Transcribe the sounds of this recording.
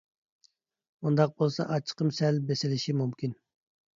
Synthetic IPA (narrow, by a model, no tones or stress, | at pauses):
mund̪ɑq̚bolˠsɑ̰ʔɑt͡ʃʰə̥qəmsɛlbesɪlɪʃimumkʲin